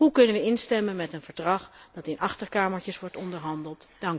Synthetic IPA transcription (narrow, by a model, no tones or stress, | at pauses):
ɦukɵnənʋəɪnstɛmənmɛtənvəɹdrɑχd̥ɑtɪnʔɑχtəɹkaːməɹcəsʋɔɹtɔndəɹɦɑndəlˠtd̥ɑŋ